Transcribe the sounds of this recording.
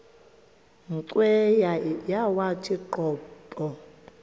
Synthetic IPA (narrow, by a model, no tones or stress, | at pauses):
ŋǀwɛjajawatʰiǃɔːpʼɔ